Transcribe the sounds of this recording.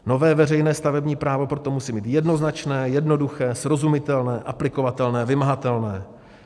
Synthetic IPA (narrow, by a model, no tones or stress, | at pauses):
no̞vɛːvɛr̝ɛjnɛːst̪avɛbɲiːpɾaːvo̞pɾo̞t̪omusiːmiːt̪jɛdno̞znat͡ʃnɛːjɛdno̞duxɛːsɾo̞zumɪt̪ɛlnɛːʔaplɪko̞vat̪ɛlnɛːvɪmaɦat̪ɛlnɛː